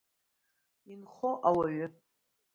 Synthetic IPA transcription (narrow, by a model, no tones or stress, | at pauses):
inχoʔawaɥʏ